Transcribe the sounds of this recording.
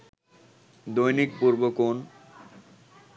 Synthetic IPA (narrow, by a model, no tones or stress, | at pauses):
d̪ojnik̚puɾbokon